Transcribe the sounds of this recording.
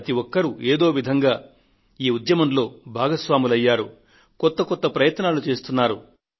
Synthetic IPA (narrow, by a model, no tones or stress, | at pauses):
t̪iʋɔkːɐɾuʔeːd̪o̞ːʋid̪ʱɐŋɡaː | iːud̪jɐmɐnlo̞ːbʱaːɡɐsʋaːmulɐjːaːɾu | kɔt̪ːɐkɔt̪ːɐpɾɐjɐt̪naːlut͡ʃe̞ːst̪unːaːɾu